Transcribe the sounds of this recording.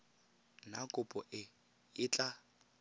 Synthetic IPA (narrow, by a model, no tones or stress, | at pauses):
nakʼʊpʼɔʔɪ | ɪt͡ɬʼa